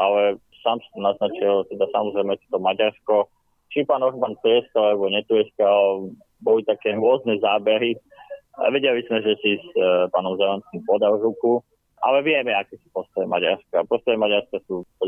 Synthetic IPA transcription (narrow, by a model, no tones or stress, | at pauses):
ʔalɛ | saːmst̪ɔnaznat͡ʃilt̪ɛd̪asamɔzɾɛjmɛt̪ɔt̪ɔmaɟaɾskɔ | t͡ʃipaːnɔɦbant̪ʊɛskɔalɛbɔɲɛt̪uɛska | bɔlit̪akɛːɾʊɔznɛzaːbɛɾi | a̰ʋɛɟɛlizmɛʒɛsispaːnɔmzɛlanskimpɔd̪awʒuku | ʔa̰lɛʋɪɛmɛakɛsi̥pɔst̪ɔjɛma̰ɟa̰ɾskapɔst̪ɔɛmaɟaɾskasupɔ